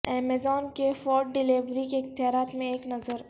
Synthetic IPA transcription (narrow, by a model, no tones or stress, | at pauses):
ɛːmezɔːnkefɔːɾʈɖɪleːʋɾikeɪkt̪ɪjaːɾaːt̪mẽeːknɐzəɾ